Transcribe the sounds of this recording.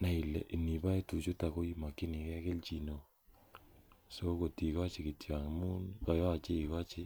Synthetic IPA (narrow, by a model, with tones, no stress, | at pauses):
na˨i˨lːɛ̰˨ʔi˨ni˨ba˦i˦tu˨t͡ʃu˦ta˨ko˦i˦ma˨kɪ˦ni˨kɛ˦kɪ˦lt͡ʃi˨no˨ | so˦ko˨ti˨ka˦t͡ʃɪ˨kɪ˨tja˨ŋ˨mu˦nka˨jɔ˦a˨t͡ʃe˦i˨ka˦t͡ʃɪ˦